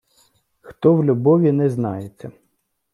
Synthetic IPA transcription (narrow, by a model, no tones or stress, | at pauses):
xt̪ɔwlʲʊbɔʋʲinɛznɑjet͡sʲːɐ